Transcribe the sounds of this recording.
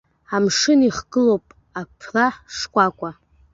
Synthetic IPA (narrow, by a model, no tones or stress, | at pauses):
amʂɨniχɡ̥ɨlowpʼ | apʰraħʂkʷʼakʷʼa